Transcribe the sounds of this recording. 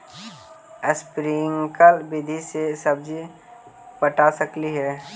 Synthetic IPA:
əspɾiŋkəlbɪd̪ʱisesəbd͡ʒi | pəʈasəkliɦɛː

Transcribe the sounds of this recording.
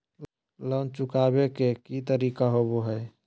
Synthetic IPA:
lənt͡ʃukabekekit̪əɾiːkaɦoboɦəj

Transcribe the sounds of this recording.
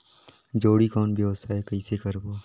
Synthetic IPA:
d͡ʒoːɽikɔːnbʱiɦoːsaːekɐiːsekəɾboː

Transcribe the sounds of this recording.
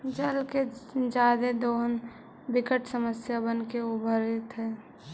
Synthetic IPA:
d͡ʒəlked͡ʒaːd̪ed̪on | bɪkəʈsəməsjabənkeobʱəɾet̪ɦɛː

